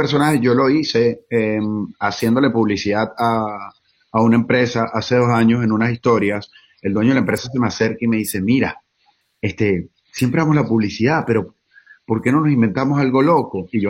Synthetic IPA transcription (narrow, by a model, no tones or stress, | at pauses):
peɾso̞nahe̞ʝo̞lo̞ise̞emasje̞nd̪o̞le̞puβlisiðaðaː | unaempɾe̞saʔase̞ðo̞saɲo̞se̞nũnasist̪o̞ɾjas | e̞ld̪we̞ɲoeaempɾe̞sase̞mease̞ɾkaime̞ðise̞miɾa | est̪e | sje̞mpɾeamo̞slapuβlisiðape̞ɾo̞ | po̞ɾke̞no̞nosĩmbe̞nt̪amo̞salɣo̞lo̞ko̞iʝo